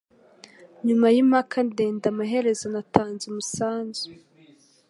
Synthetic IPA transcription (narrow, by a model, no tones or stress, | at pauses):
ɲumajimhakʰandeːndamaɦe̞ɾe̞zanatʰaːnzumusaːnzu̥